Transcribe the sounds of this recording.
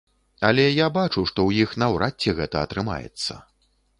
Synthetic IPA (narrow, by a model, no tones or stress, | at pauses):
ɐlʲɛjabat͡ʂuʂt̪ɔwjixnɐwɾʔat͡sʲːɛɣɛt̪ɐɐt̪ɾɨma̰jɛ̰t̪sːɐ̰